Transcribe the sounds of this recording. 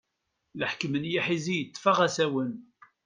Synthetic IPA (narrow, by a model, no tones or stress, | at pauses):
ləħkmənjiħizijət͡s̪ːfaʁæsæwən